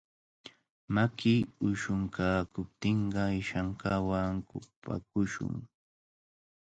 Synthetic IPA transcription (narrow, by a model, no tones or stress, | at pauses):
makɪʊʃʊŋkʰaːkʊp̚t̪ɪɴɢɑɪʃaɴkawaŋkʊpa̰kʊʃʊ̰ŋ